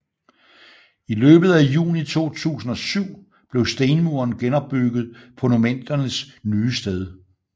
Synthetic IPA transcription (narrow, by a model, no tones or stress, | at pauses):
ilø̰ːb̥ð̞̩ˠæjṵːnit͡sʰo̝̰ːt͡sʰṵːsn̩ɒ̽syʊ̰ | b̥le̝ʊsd̥eɪnmuɐnɡ̥enɒ̽b̥ːyɡ̥ð̞̩ˠpʰɔ̽numen̰d̥ɐnəsnyːsd̥eð̞ˠ